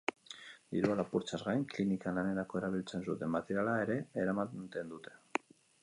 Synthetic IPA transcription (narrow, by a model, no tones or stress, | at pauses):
d̪iɾualapuɾt͡ʃazɣajŋklinikanlane̞ɾako̞e̞ɾaβ̞ilt͡se̞nsut̪e̞mmat̪eɾalae̞ɾe̞eɾamat̪e̞nd̪ut̪e̞̥